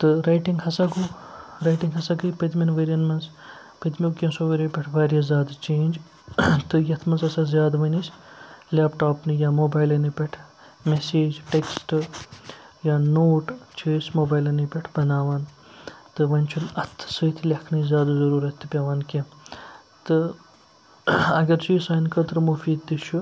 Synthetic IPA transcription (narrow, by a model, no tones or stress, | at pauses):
t̪ɨɾajʈiŋɡhɐsɐɡu | ɾɐjʈiŋɡɦɐsɐkɨjpɐt̪mʲɐnʋeːɾjɐnmɐnz | pɐt̪mʲikʲẽnsoːʋeɾʲipʲɐʈʰʋaːɾijɐzjaːd̪at͡ʃẽːnʲd͡ʒ | t̪ɨjɐt̪ʰmɐnzɐsɐzjaːd̪aʋɐnislʲaːpʈaːpnɨjaːmoːbaːjlɐnipʲɐʈʰ | meseːd͡ʒʈeksʈ | jaːnoːʈt͡ʃʰeːsʲmoːbaːjlɐnipʲeʈʰbɐnaːʋaːn | t̪ɨʋɐnʲt͡ʃʰunɐt̪ʰːsɐt̪ʰlʲɐkʰnɐzʲjaːd̪azɐɾuːɾɐt̪ʰːɨpʲaʋaːnkẽ | t̪ɨ | ɐɡɐɾt͡ʃiːsaːnkɐt̪ɾmufiːd̪̚t̪it͡ʃʰu